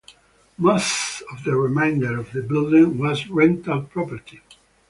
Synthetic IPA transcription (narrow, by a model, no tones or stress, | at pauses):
mosɔvðəɹɪmẽɪ̃ndə˞ʌvðəbɪlˠdɪ̃ŋwɔzɹɛ̃ntaʊt̚pʰɹɔpə˞tʰi